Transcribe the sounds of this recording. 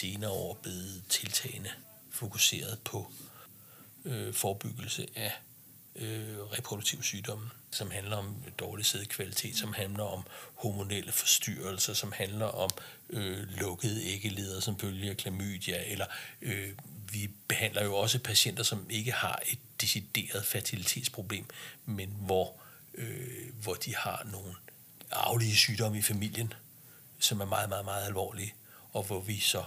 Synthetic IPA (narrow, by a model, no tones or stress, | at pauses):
se̝ːnɐːɒ̰ːb̥le̝ð̩ˠt͡sʰe̝lt͡sʰɛ̰ːɪnə | fo̝kʰuse̝̰ːɐð̞̩ˠpʰɒ̽ | øfɒːb̥yɡ̥l̩səʔæ | ʔøʁɛpʰʁo̝d̥uɡ̥̚t͡sʰiʊ̰syːd̥ɒ̽m̰̩sɒ̽mhænlɐɒ̽md̥ɒːliseð̩̰ˠkʰʋælit͡sʰe̝̰ːd̥sɒ̽mhænlɐʔɒ̽mhomo̝nel̰ʔəfɒ̽sd̥yɐlsɐsɒ̽mhænlɐʔɒ̽mølɔ̽ɡ̥əðˠəeɡ̥əle̝ːð̞ˠɐsɒ̽mføljəkʰlæmy̰ːd̥jæelɐøʋib̥e̝hæn̰lɐjo̝ɒ̽səpʰæɕen̰d̥ɐsɒ̽me̝ɡ̥əhɑ̈e̝d̥̚ːe̝sid̥e̝̰ːɐð̞ˠfæɐt͡sʰilit͡sʰḛːd̥spʰʁo̝b̥le̝̰ːmmenʋɒ | øʋɒd̥ihɑ̈no̝ːn̩ | ɑ̈ʊliəsyːd̥ɒ̽m̰əifæmil̰jən | sɒ̽mæɐmɑ̈ːð̞̩ˠmɑ̈ːð̩ˠmɑ̈ːð̞̩ˠælʋɒ̰ːliə | ɒ̽ʋɒʋisɒ̽